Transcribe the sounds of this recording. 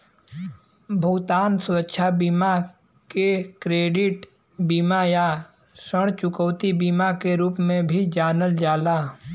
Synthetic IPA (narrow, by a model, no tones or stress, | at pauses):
bʱʊɡt̪aːnswətːʃʰabiːma | kekɾeːɖɪʈ | biːmaja | səɽ̃t͡ʃʊkəwt̪ibiːmakeɾuːpmẽbʱid͡ʒaːnəld͡ʒaːlaː